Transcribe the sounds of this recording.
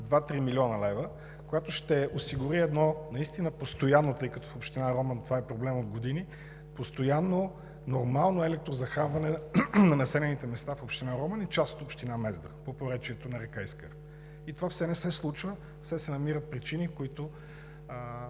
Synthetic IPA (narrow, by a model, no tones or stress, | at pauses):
d̪vat̪ɾimilʲiɔnəlɛvə | kojat̪oʃt̪ɛosiɡʊɾiɛd̪nɔnɐist̪inəpost̪ojanːot̪ɤjkɐt̪ɔ̥fopʃt̪inaɾɔmənt̪ovaɛpɾoblɛmod̪ɡod̪ini | post̪ojanːo | noɾmalˠnoɛlɛk̚t̪ɾozɐxamvɐnɛnɐnɐsɛlɛnit̪ɛmɛst̪afopʃt̪inaɾɔmənit͡ʃast̪ot̪opʃt̪inamɛzd̪ə̰popoɾɛt͡ʃiɛt̪onɐɾɛkajskə | it̪ovafsɛnɛsɛslˠut͡ʃvə | fsɛsɛnɐmiɾət̪̚pɾit͡ʃinikoit̪ʊ